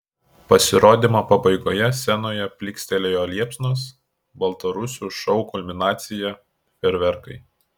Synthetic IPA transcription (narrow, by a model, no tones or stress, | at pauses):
pɐsʲɪɾoːd̪ʲimoːpɐbɐɪɡoːjɛsʲɛnoːjɛpʲlʲɪksʲt̪ʲɛlʲeːjoːlʲiɛpʲsnoːs | bɐlˠt̪ɐɾʊsʲuːʃɔʊkʊlʲmʲɪnɑːt̪sʲɪjɛ | pʲɛɾʲʋʲɛɾkɐɪ